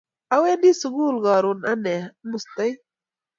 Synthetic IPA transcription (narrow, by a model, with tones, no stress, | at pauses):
ɐ˦weː˦ndi˦suɡuː˦lɡɑːɾunɐ˦ne˨must̪ɐ˦j